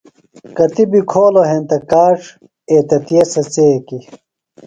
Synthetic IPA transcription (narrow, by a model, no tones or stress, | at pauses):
kɐt̪ibikʰoːloɦent̪ɐkaːʈ͡ʂ | eːt̪ɐt̪ijesɐt͡seːki